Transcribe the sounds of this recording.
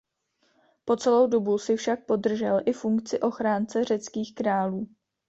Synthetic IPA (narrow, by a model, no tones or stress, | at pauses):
po̞t͡sɛlo̞wdo̞busɪfʃak̚po̞dr̩ʒɛlʔɪfuŋkt͡sɪʔo̞xɾaːnt͡sɛr̝ɛt͡skiːxkɾaːluː